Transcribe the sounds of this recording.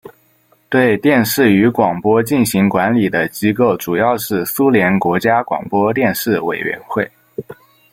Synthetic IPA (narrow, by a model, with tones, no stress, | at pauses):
t̪we˥˧ɪt̪jɛ˥˧nʂɻ̩˥˩y˧˥kwɑ˨˩ŋpwɔ˥t͡ɕi˥˩nɕi˧˥ŋkwa˧˥nli˨˩d̪ə˦t͡ɕi˧˥ko˥˩ʊʈ͡ʂu˨˩jɑ˥˧ʊʂɻ̩˥˩su˥ljɛ˧˥nkwɔ˧˥t͡ɕja˥kwɑ̰˨˩ŋpwɔ˥t̪jɛ˥˧nʂɻ̩˥˩we˨˩ɪɥɛ̰˧˥nxwe˥˩ɪ